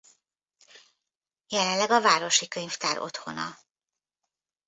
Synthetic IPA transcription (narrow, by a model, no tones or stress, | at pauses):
jɛlɛnlɛɡɒvaːɾo̞ʃikøɲft̪aːɾʔo̞̰t̪ho̞nɒ̰